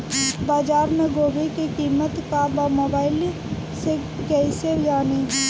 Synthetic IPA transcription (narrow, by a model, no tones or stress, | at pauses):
baːd͡ʒaːɾmẽɡoːbikikiːmət̪kaːbamoːbaːɪl | se | kɛised͡ʒaːni